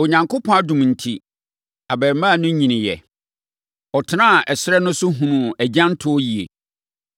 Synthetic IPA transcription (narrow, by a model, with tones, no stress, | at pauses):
o˨ɲã˨ŋkʰo˦pʰɔ̃˦a˦dũ˨m˨n̩˨tʰi˦ | a˨bɛ˨ɾmã˦˨nʊ̃˦ɲĩ˨nɪ̃˨jɛ̰˨ | ɔ˨tʰɪ˨nã˦a˨ʔɛ˨sɪ˦ɾɛ˦nʊ̃˦sʊ˦ɦũ˨nũ˨æ˨d͡ʑã˦n̩˦tʰʊ˦ɔ˦ji˨ḛ˨